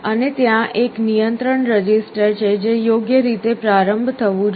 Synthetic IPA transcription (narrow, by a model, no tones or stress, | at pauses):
ənet̪jãʔeknijənt̪ɾəɳɾəd͡ʒisʈəɾt͡ʃʰed͡ʒejoɡjəɾit̪epɾaɾəmbʱt̪ʰəʋũd͡ʒ